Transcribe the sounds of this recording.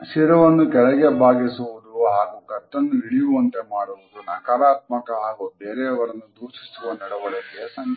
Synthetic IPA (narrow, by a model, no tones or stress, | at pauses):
ʃiɾɐʋɐnːukɛlɛɡe̞bʱaːɡisuʋud̪uɦaːɡukɐt̪ːɐnːuɦiɭijuʋɐnt̪emaːɽuʋud̪unaːkaːɾaːt̪̚mɐkɐɦaːɡubeːɾeɐʋɐɾɐnːud̪uːʃi̥suɐnd̪ɐɽɐʋɐɭekesɐŋ